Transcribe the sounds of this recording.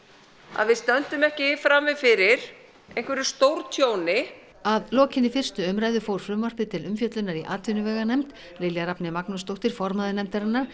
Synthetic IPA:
a̰ðvɪðst̪œnt̪ʏmɛhcɪfɾamvɪðfɪɾɪɾ̥ | ẽjn̥kvɛɾɪ̥st̪owɾt̪ʰjownɪ | aðlɔːcɪnːɪfɪr̥st̪ʏʏmɾaːjðʏfoːwɾ̥fɾʏmvar̥pɪt̪ʰɪlʏmfjœt̪lʏnːaɾiʔaːt̪vɪnʏvɛːɣanɛmt̪ | lejljaɾapnɪmaknʏst̪owht̪ɪɾ̥fɔɾmaðɪnɛmt̪aɾɪnːaɾ̥

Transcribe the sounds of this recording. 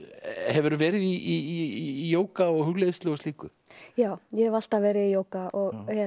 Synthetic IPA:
hɛvʏɾvɛːɾɪðii | joːwkaɔɣhʏɣleðst̪ɔɣʏsiːkʏ | jaːwjɛhɛval̥t̪avɛːɾɪijoːwkaɔɣhɛ

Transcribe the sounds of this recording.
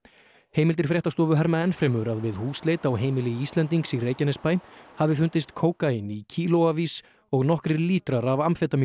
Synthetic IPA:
heːjmɪlt̪ɪɾ̥fɾjɛht̪ast̪ɔːvʏɦɛɾmaɛnfɾɛːmʏɾaðvɪðhuːsleːjt̪awɦeːjmɪlɪiist̪lɛnt̪iŋksireːjcanɛspaːjhavɪfʏnt̪ɪst̪kʰoːwkaɪnicʰiːlowaviːs | ɔɣnɔhkɾɪɾliːt̪ɾaɾavamfɛt̪am

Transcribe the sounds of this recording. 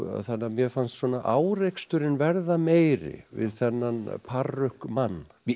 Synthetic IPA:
θanːamjɛfanst̪sɔnaʔaːwɾejkst̪ʏɾɪnvɛɾðameːjɾɪ̰vɪ̰ðθɛnːanpʰarːʏhkmanː

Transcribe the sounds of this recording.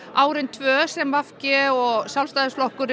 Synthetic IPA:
aːwɾɪnt̪ʰvœːsɛmvafcɪɔɣsjalst̪aːðɪsflɔhkʏɾ

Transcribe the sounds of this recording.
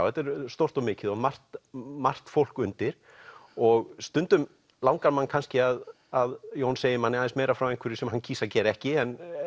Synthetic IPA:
whɛt̪ɛɾst̪owr̥t̪ɔmɪːcɪðɔmar̥t̪mar̥t̪fowlkʏnt̪ɪɾ̥ | ɔɣst̪ʏnt̪ʏm | lawŋkaɾmanːkʰanscɪað | aðjownseːjɪmanːɪajnsmeːjɾafɾawejŋkvʏɾɪsɛmhancʰiːsaɾcɛːɾɛhcɪɛn

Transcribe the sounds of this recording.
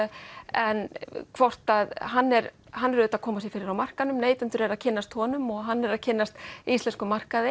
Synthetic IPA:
ɛnkʰvɔr̥t̪aðɦanːɛɾ | ɦanːɛɾʏːt̪aðkʰɔːmasjɛfɪːɾɪɾawmar̥kanʏmneːjt̪ʏnt̪ʏɾɛɾaðcʰɪnːast̪hɔːnʏmɔɣɦanːɛɾaðcʰɪnːast̪ist̪lɛnskʏmar̥kaðɪ

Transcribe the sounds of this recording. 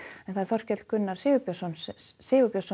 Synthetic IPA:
ɛnθaðɛɾθɔr̥cɛt̪lkʏnːaɾ̥sɪːvʏpjɔsɔnssɪːvʏpjɔsɔ

